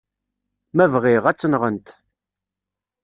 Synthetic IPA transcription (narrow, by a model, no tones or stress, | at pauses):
mævʁɪʁæt͡sːənʁənt̪